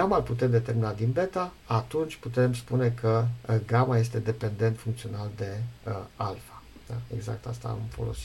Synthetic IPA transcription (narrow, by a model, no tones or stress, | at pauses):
ɡamalput̪e̞md̪e̞t̪eɾminad̪inbe̞t̪a | at̪unt͡ʃʲput̪e̞mspune̞kʰəɡamaje̞st̪e̞d̪e̞pe̞nd̪e̞nt̪fuŋkt̪sio̞nald̪e̞alfḁd̪̥a̰e̞̰ɡza̰k̚t̪ast̪a̰amfo̞lo̞̰si̥